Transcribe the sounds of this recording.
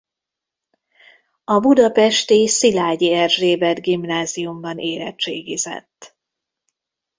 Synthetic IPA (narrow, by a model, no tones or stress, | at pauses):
ɒbud̪ɒpɛʃt̪isilaːɟiɛrʒeːbɛd̪ɡimnaːzijumbɒnʔeːɾɛtt͡ʃeːɡizɛ̰t̪ː